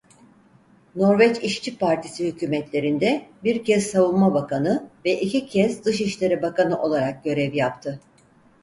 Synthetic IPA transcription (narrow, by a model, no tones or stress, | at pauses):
no̞ɾvɛt͡ʃiʃt͡ʃʰipʰaɾt̪ʰisihycʰyːmɛt̪lʲe̞ɾind̪ɛbiɾcʰɛzsavunˠmabakʰanɯvɛʔicicʰɛzd̪ɯʃiʃlʲe̞ɾibakanɯʔo̞lˠaɾak̚ɟø̞ɾɛvjap̚t̪ʰɯ